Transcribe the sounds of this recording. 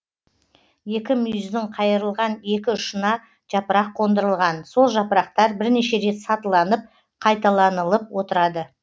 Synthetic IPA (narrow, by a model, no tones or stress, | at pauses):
je̞kʲɪmʏjzd̪ɪɴqʰɑjəɾəlˠʁɑnje̞kʲɪʊʃənɑ | ʒ̥ɑpəɾɑqʰːo̞nd̪əɾəlˠʁɑnso̞lˠʒɑpəɾɑq̚t̪ɑɾbɪɾneʃe̞ɾe̞t̪sɑt̪əlˠɑnəp̚ | qʰɑjt̪ɑlˠɑnəlˠəp̚wo̞t̪əɾɑd̪ə